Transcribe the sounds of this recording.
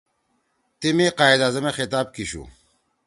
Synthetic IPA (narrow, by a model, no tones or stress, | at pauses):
t̪imeqaːid̪aːzɐmexit̪aːb̚kiɕṵ